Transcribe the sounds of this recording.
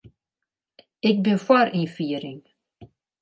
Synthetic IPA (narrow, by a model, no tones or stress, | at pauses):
ɪk̚bɪnfaɾinfiːɾɪŋ